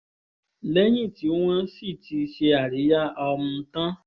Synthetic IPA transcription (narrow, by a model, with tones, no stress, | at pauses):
lɛ˦j̃ĩ˦˨ti˨˦w̃ã˦si˦˨ti˧ʃe˧a˨ɾi˨˦ja˦ɔ˧mũ˧˦tã˦